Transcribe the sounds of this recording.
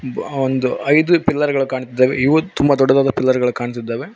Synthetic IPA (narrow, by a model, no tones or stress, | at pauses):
ond̪uɐjd̪upɪlːɐɾɡɐɭɐkaːɳt̪id̪ːaːʋḛiʋɐt̪umbɐd̪ɔɖːɐd̪aːd̪ɐpɪlːɐɾɡɐɭukaːɳt̪id̪ːaːʋe